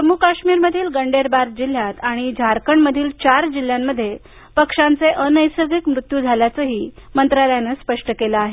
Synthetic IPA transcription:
pəmukaɕmiːɾməd̪ʱiːlɡəɳɖeɾbaɾd͡ʑil̤jat̪aɽ̃id͡ʑʱaɾkəɳməd̪ʱiːlt͡ɕaɾd͡ʑil̤ːjamːəd̪ʱːje | pəkʂant͡seʔənəjsəɡikmɾut̪juːd͡zʱaljat͡səɦiːmənt̪ɾaləjanəspəʂʈəkelaaɦe

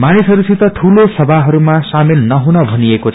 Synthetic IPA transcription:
manisɦʌɾusit̪ʌʈʰulosʌbʱaɦʌɾumasamilnʌɦunʌbʱʌnijekot͡sʰ

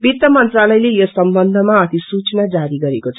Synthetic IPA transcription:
bit̪jʌmʌnt̪ralʌjlejosʌmbʌnd̪ʱʌmaʌt̪isut͡snad͡zaɾiɡʌɾekot͡sʰʌ

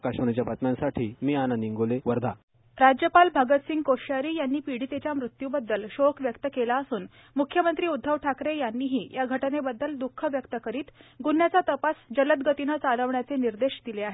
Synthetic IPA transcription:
kaɕoɳ̃et͡ɕjabət̪mjãnsaʈʰiːmiananiŋɡoleʋəɾd̪ʱa | ɾad͡ʑjəpalbʱəɡət̪siŋɡkoɕaɾiːjanːiːpiɽ̤it̪et͡ɕjamɾut̪jubəd̪ːəlɕokʰʋjəkt̪əkelaəsuːn | mukʰːjəmənt̪ɾiːud̪ʱːəʋʈʰakɾejanːiːɦiːjaɡʱəʈənebəd̪ːəld̪ukʰːəʋjəkt̪əkəɾiːt̪ɡunjat͡sat̪əpasd͡ʑələt̪ɡət̪inət͡saləʋɳjat͡seniɾd̪eɕd̪ileaɦe

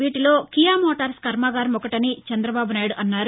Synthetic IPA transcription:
iːʈilo̞ːkijaːmɔːʈaːɾskɐɾmaːɡaːɾɐmɔkɐʈɐnit͡ʃɛnd̪ɾɐbaːbunaːjɽuʔɐnːaːɾu

